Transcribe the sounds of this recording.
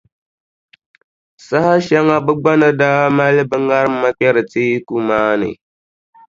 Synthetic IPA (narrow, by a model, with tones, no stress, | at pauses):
sa˦ha˦ʃa˦ŋa˦bɨ˦ɡ͡ba˦nɨ˨da˦ma˦lɨ˦bɨ˦ŋa˦ɾɨ˦m˦ma˦k͡pɛ˦ɾɨ˨tiː˦ku˦maː˦nɨ̰˨